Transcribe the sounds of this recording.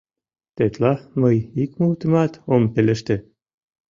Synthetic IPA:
t̪et̪lɑməjikmult̪imɑt̪ompeleʃt̪e

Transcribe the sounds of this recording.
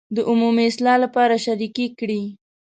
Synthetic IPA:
d̪əʔʊmumiɪslɑlapɑɾaʃaɾikikɽi

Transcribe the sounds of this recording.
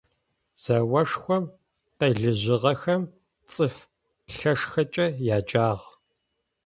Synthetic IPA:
z̥ɐwɐʂxʷɔm | qeːɮɨʑɪʁɐxɐm | t͡sʼɨf | ɬɐʂxɐt͡ʃʼɐjaːd͡ʒʼaːʁ

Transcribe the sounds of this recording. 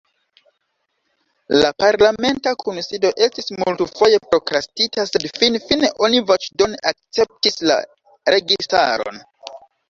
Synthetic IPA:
lapaɾlame̞ntakʰonsido̞ʔe̞stismultufo̞je̞pɾo̞kɾastitase̞dfinfineʔo̞nivot͡ʃdo̞nak̚t͡se̞p̚tisla̰ | ɾe̞ɡista̰ɾoo̞̰n

